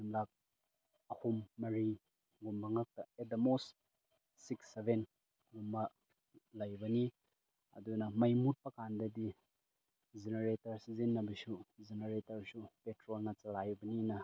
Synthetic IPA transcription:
umlak̚ | ɐhumːɐɾi | ɡumbɐŋɐk̚tɐedɐmos | siksebʱen | ɡumbɐ | lɐjbɐni | ɐ̰dunɐmɐjmut̚pɐkandɐdi | d͡ʒeneɾetɐɾsizinːɐbisuzeneɾetɐɾsupetɾolnɐt͡ʃɐlajbɐninɐ

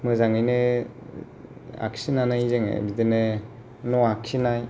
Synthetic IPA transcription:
mɯzaŋɯjne | a̰ksinanajizeŋḛbidene | nɔaksinaj

